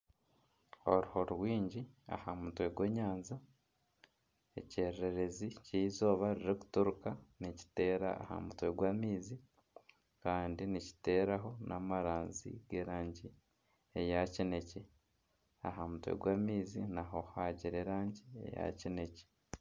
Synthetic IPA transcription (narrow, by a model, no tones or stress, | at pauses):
o̞̰ɾuho̞ɾuɾwiːɲɟia̰hamutwe̞ɡwe̞ːɲaːnza | e̞̰ceːɾeɾeɾe̞ziciizo̞ːβaɾiɾeku̥tuɾukanici̥te̞ːɾa̰ːha̰mutwe̞ɡwaːmiːzi | kaːndinici̥te̞ːɾaɦo̞nʔamaɾaːnzḭɡe̞ːɾaːɲɟi | ejacine̞ce | a̰ɦamutwḛɡwaːmiːzinaɦo̞haɟiɾeɾaːɲɟie̞̰ja̰cine̞ce̥